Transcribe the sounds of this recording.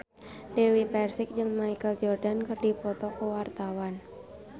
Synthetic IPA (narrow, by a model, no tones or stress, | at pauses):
dewipɛrsɪk̚d͡ʒəŋmajkəld͡ʒɔrdankərdipɔt̪ɔkəwart̪awan